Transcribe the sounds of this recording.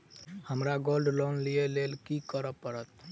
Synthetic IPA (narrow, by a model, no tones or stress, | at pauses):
həmɾaɡolɖlɔnlielelkikəɾəpːəɾət̪